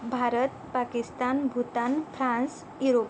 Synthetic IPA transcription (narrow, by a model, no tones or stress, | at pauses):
bʱaɾət̪̚pakist̪anbʱut̪anpʰɾãns | juɾop